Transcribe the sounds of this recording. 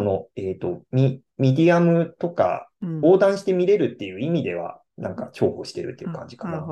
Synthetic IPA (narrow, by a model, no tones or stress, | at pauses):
ono̞eːt̪o̞mʲi | mʲed̪ʲiamɯ̟t̪o̞ka̰bo̞ːd̪ãɰ̃ɕi̥t̪e̞mʲiɾe̞ɾɯ̟t̪ːe̞jɯ̟imʲid̪e̞β̞a̰ | nã̰ŋkat͡ɕo̞ːhoɕi̥t̪e̞ɾɯ̟t̪ːe̞jɯ̟kã̰ɲ̟d͡ʑi̥kana